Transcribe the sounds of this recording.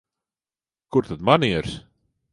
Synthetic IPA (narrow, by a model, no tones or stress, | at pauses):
kʊrt̪ət̪maniəɾs